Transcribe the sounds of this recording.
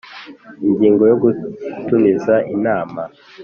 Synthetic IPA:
iɲɡiːŋɡo̞joɡutunizaʔinaːma

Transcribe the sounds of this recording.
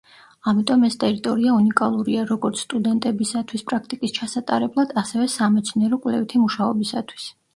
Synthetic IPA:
amit̪ʼɔmɛst̪ʼɛɾit̪ʼɔɾiaunikʼalˠuɾiaɾɔɡɔɾt̪sʰst̪ʼud̪ɛnt̪ʼɛbisat̪ʰwispʼɾakʰt̪ʼikʼist͡ʃʰasat̪ʼa̰ɾɛblˠad̪̥asɛvɛsamɛt̪sʰniɛɾɔkʼwlɛ̰vt̪ʰimuʃaɔ̰bisat̪ʰwi̥s

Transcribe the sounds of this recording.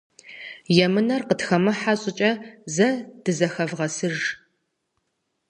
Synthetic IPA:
jɛmɨnɐrqətxɐmɐħaɕʼɪt͡ʃʼɐzɐd̥ɨzɐxɐvʁɐsɨʒ

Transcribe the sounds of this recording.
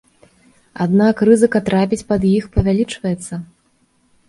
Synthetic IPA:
ad̪nakrɨzɨkɐt̪ɾapʲit͡sʲpɐd̪jixpɐvʲalʲit͡ʂvɐjɛt̪sːɐ

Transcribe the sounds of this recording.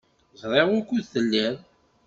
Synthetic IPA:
zɾˤeʁʊkʷːuðθəlːæɾ

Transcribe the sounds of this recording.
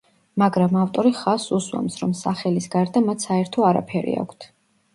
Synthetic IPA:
maɡɾamaft̪ʼɔɾiχasuswa̰msɾɔmsaχɛlisɡaɾd̪amat̪ʰsaɛɾt̪ʰɔaɾa̰pʰɛɾḭa̰kʷʰt̪ʰ

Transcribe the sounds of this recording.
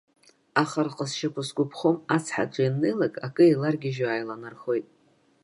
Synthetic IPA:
aχarqʼəsʃakʷʰʊsɡʷʼʊpʰχomat͡sʰħa̰t͡ʃʷʼainːejlakʼakʼɨilarɡʲɪʒaːjlanarχo̞jtʼ

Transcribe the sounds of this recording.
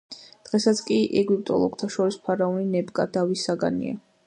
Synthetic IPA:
d̪̥ʁɛsat̪sʰkʼiʔɛɡwip̚ʼt̪ʼɔ̰lˠɔɡ̥t̪ʰaʃɔɾispʰaɾaɔninɛbkʼad̪avisːaɡa̰nḭa̰

